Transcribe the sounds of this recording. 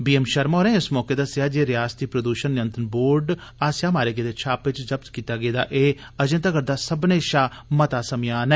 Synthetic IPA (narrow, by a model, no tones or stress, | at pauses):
biːeːmʃəɾmoːɾɛ̃ːɪsmɔːkeːd̪əsɪjaːd͡ʒeːɾɪjaːst̪iːpɾəd̪uːʃənːɪjənt̪ənboːɾɖaːsjaːmaːɾeːɡeːd̪eːt͡ʃʰaːpʋɪt͡ʃd͡ʒəb̚t̪kiːt̪aːɡeːd̪a̰ːʔeː | əd͡ʒə̃nt̪əɡəɾd̪aːsəbneːʃaːmət̪aːsəmɪjaːnɛː